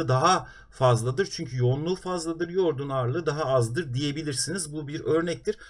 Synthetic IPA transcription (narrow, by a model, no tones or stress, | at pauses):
ɯd̪aɦa | fazlˠad̪ɯɾt͡ʃʰyɲcʰyjo̞nlˠulˠfazlˠad̪ɯɾjo̞ɾd̪unaɾlˠɯd̪aɦaazd̪ɯɾd̪ije̞bilʲiɾsinizbubiɾø̞ɾnɛc̚t̪iɾ̥